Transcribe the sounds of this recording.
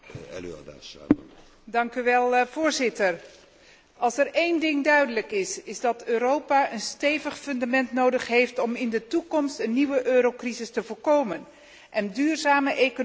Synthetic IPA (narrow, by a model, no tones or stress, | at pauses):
ɛ̰l̰da̰ | dɑŋkyʋɛlˠv̥oːɹzɪtər | ʔɑlˠsərejndɪŋdœɥdələkɪsɪzdɑtʰøːɾowpaʔənstejvəχfɵndamɛntnowdəχɦejftɔmɪndətukɔmstənːiʋəʔøːɾowkrizɪstəvʊːɹkowmən | ʔɛndyːrzaːməʔeko